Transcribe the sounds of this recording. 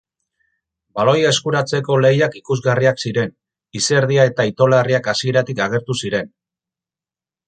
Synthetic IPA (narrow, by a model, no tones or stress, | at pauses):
balo̞jaeskuɾat͡se̞ko̞le̞jakikuzɣariaksiɾe̞n | ise̞ɾð̞iae̞t̪ait̪o̞lariakasie̞ɾat̪ikaɣ̞e̞ɾt̪usiɾe̞n